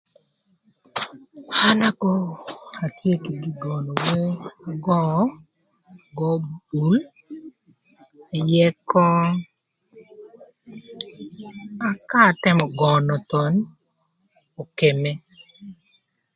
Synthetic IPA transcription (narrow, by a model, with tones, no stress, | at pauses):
a˦na˦kɔ˦a˨tje˦˨ki˨ɡi˦ɡɔ˨nɔ˨we˦a˦ɡɔ˦˨˦ | ɡɔ˦bu˨˦l | jɛ˦kɔ˦ | a˦ka˦˨tɪ˦mɔ˨ɡɔ˨nɔ˨t̪ɔ˨n | o˨ke˨me˦